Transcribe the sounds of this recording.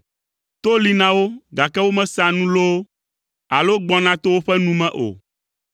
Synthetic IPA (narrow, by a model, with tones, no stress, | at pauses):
t̪o˦li˨nã˦wo˦ɡa˨kɛ˦wo˦mɛ̃˦sã˨nũ˦lo˦ | a˨lo˦ɡ͡bɔ˦nã˦t̪o˦wo˦ɸɛ˦nũ˦mɛ̃˦ʔo̰˨